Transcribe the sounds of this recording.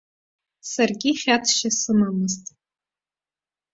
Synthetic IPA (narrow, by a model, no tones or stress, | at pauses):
sarɡʲiχʲat͡sʰʃasɨmamɨztʼ